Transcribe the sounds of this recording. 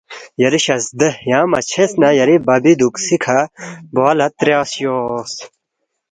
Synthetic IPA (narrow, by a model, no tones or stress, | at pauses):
jɐɾiɕɐsd̪ɐhjaːmɐt͡ɕʰesnɐjɐɾibɐbid̪uksikʰɐboɐlɐt̪ɾjaːsjoːs